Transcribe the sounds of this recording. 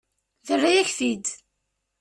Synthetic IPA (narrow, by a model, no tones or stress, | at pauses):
ðərːæjæçθid̪